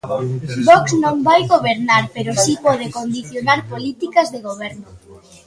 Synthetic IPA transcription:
bɔksnõŋbajɣoβeɾnaɾpeɾʊsipɔð̞ekond̪iθjonaɾpolit̪ikɐzðeɣ̞oβ̞ɛɾnʊ

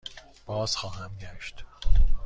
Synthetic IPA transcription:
b̥ɒːz̥xɒːhæmɡæʃt̪

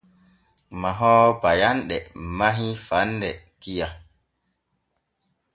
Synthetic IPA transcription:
maɦɔːbajanɗɛmaɦifandɛ | kija

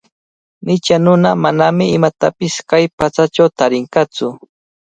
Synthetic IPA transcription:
nɪt͡ʃanʊnamanamɪɪmat̪apɪskajpat͡sat͡ʃawt̪aɾɪɴkat͡sʊ

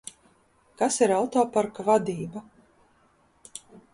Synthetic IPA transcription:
kasiɾawt̪oːpaɾkavad̪iːba

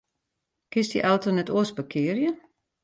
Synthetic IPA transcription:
kɪstḭʔalˠtonɛtoəsbəkʰɪərjə

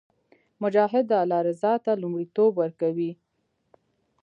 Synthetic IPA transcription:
mʊd͡ʒɑɦɪd̪ːəalɑɾɪzɑt̪alumɽit̪obwəɾkawi

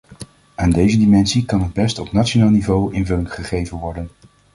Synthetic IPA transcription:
aːndejzədimɛnsikɑnɦəd̚bɛstɔpnat͡ʃonaːlˠnivowʔɪnvɵlɪŋχəχejvənʋɔɹdən

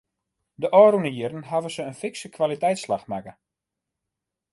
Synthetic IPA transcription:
dəʔɔːɾunəjɪrn̩ɦavəsəənfɪksəkʰʋalitɛjtslaxmakə

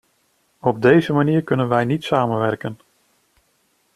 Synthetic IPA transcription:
ɔb̚dejzəmaniːɹkɵnənʋɛjnitsaːmənʋɛɹkən

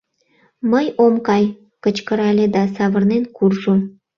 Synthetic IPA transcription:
məjomkɑj | kət͡ɕkəɾɑlʲed̪ɑsɑβərnenkurʒu

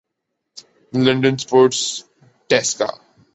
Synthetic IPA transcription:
lʌ̃ɳɖə̃nspɔːɾʈs | ʈɛska̰

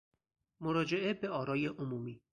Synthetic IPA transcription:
moɾɒːd͡ʒe̞ʔebeɒːɾɒːjeʔomuːmiː

